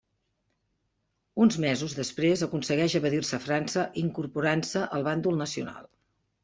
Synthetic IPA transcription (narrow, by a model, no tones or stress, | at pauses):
unzmɛzuzðəspɾezəkunsəɣɛʃəβəðirsəfɾansəʔiŋkuɾpuɾansəʔəlˠβand̪ulˠnəsiṵna̰lˠ